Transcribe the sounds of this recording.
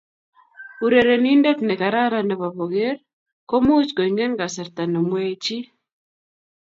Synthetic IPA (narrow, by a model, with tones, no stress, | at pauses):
u˨ɾe˨ɾe˨ni˦nde˦t̪nɛ˨ka˨ɾa˦ɾa˨nɛ˨βa˨βo˨ɣe˦ɾ | ko˦mu˦t͡ʃko˨iŋɡe˦ŋɡa˨sɛ˨ɾt̪a˨no˨mwe˦t͡ʃi˦